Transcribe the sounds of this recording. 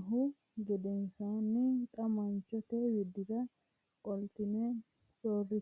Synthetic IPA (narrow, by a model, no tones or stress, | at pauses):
ɦʊ | ɡɛd̪ɛnsaːnːɪt̪ʼɐmɐnt͡ʃːɔt̪ɛjɪd̪ɪd̪ɐ | kʼɔlt̪ɪnɛ | soːrːɪ